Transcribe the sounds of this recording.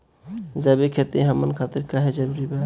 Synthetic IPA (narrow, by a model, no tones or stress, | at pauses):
d͡ʒəbekʰet̪eɦəmənkʰat̪iɾkaɦed͡ʒəɾuɾibe